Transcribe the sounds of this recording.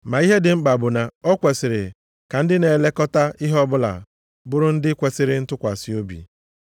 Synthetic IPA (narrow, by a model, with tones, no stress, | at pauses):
ma˨i˦ɦe˦dɪ˨ŋ͡m̩˦ɡ͡ba˨bʊ˨na˨ɔ˦kʷe˨sɪ˨ɾɪ̰˨ | ka˨n̩˦dɪ˦ne˨le˦kɔ˦ta˦i˦ɦɔ˦bʊ˦la̰˨ | bʊ˦ɾʊ˦n̩˦dɪ˦kʷe˨sɪ˨ɾɪ˦n̩˦tʊ˦kʷa˨si˦o˦bḭ˨